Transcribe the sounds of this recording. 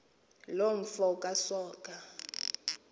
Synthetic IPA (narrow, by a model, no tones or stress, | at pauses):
loɱ̩fɔkʼasɔːkʼa